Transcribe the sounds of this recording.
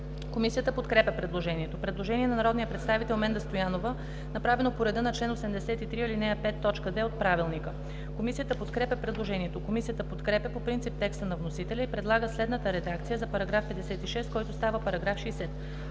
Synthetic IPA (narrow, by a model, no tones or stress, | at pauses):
komisijət̪əpot̪kɾɛpʲəpɾɛd̪lˠoʒɛniɛt̪opɾɛd̪lˠoʒɛniɛnɐnɐɾɔd̪nijəpɾɛt̪st̪avit̪ɛlˠmɛnd̪ɐst̪ojanovə | nɐpɾavɛnopoɾɛd̪ənɐt͡ʃlɛnosɛmd̪ɛsɛt̪it̪ɾiilinɛjəpɛt̪ːɔt͡ʃkəd̪vɛot̪̚pɾavilˠnikə | komisijət̪əpot̪kɾɛpʲəpɾɛd̪lˠoʒɛniɛt̪okomisijət̪əpot̪kɾɛpʲəpopɾint̪sip̚t̪ɛkst̪ənɐvnosit̪ɛlʲɛipɾɛd̪lˠaɡəslɛd̪nət̪əɾɛd̪akt̪sijəzɐpɐɾɐɡɾafpɛd̪ɛsɛt̪iʃɛst̪kɔjt̪ost̪avəpɐɾɐɡɾafʃɛsɛt̪